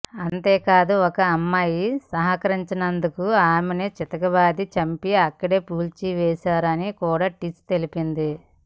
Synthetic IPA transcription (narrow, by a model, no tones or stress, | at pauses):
ɐnt̪eːkaːd̪uɔkɐːmːaːjisɐɦɐkɐɾiɲt͡ʃɐnɐnd̪ukuaːmenet͡ʃit̪ɐkɐbaːd̪it͡ʃɐmpiɐkːɐɽeːpuːlt͡ʃiʋɛːsaːɾɐnikuːɽaːʈist̪e̞lipind̪i